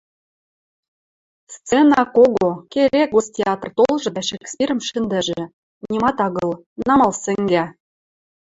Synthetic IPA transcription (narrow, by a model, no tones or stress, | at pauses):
st͡senɑkoɡokeɾekostʲeɑt̪rt̪olˠʒɤ̆d̪æʃekspʲiɾə̆mʃɘ̆nd̪ɘ̆ʒɘ̆ | nʲimɑt̪ɑɣɤ̆lˠ | nɑmɑlsɘ̆ŋɡæ